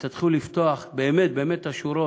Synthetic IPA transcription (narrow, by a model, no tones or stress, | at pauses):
t̪at̪χulift̪o̞aχbeːmet̪̚beːmet̪aʃuɾo